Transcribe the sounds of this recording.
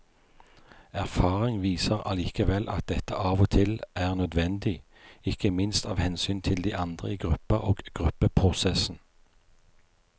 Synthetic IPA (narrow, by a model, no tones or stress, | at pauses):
æʁfɑːʁɪŋʋiːsəʁɑ̰liːkəʋɛlʔɑ̰t̪̚d̪ɛt̪əʔɑːʋɔt̪ʰɪlʔæːʁnœd̪ʋɛnd̪ɪ | ɪkəmɪnst̪ɑːʋhɛnsyːnt̪ʰɪld̪iːʔɑnd̪ʁə̰iːɡʁʉpəʁoːɡɡ̥ʁʉpəpʰʁʊsɛsn̩